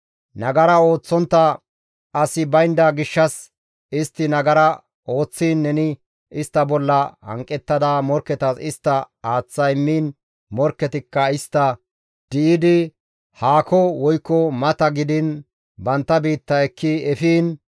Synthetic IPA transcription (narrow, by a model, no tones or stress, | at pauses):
nɐɡɐɾɐo̞ːt͡sːɔnt̪ːɐ | ɐsɪbɐjnd̪ɐɡɪʃːɐs | ɪst̪ːɪnɐɡɐɾɐ | o̞ːt͡sːiːnːɛnɪ | ɪst̪ːɐbɔlːɐhɐ̰ŋkʼːɛt̪ːɐd̪ɐmɔɾkːɛt̪ɐsɪst̪ːɐ | aːt͡sːɐjmːiːn | mɔɾkːɛt̪ɪkːɐɪst̪ːɐ | d̪̥ɪʔɪd̪ɪ | haːkɔwɔjkːɔmɐt̪ɐɡɪd̪ɪn | bɐnt̪ːɐbiːt̪ːɐɛkːɪɛfiːn